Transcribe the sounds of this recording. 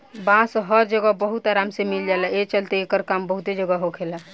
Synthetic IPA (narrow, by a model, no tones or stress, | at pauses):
bãsɦəɾd͡ʒəɡəbəɦut̪aɾamsemild͡ʒalaet͡ʃəlt̪eekəɾkambəɦut̪ed͡ʒəɡəɦokʰela